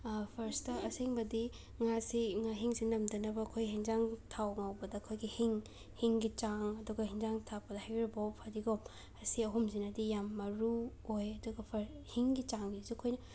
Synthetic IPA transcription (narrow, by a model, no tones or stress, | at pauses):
pʰɐɾstɐʔɐseŋbɐdi | ŋasiŋaɦiŋsinɐmdɐnɐbɐːkʰojɦiŋzaŋtʰawŋawbɐdɐːkʰojɡihiŋ | hiŋɡit͡ʃaŋɐduɡɐɦiŋzaŋtʰapɐdɐhajɾibowpʰadiɡom | ɐsiɐɦumzinɐdijamːɐɾu | ojɐduɡɐpʰɐɾhiŋɡit͡ʃaŋbizuɐkʰojnɐ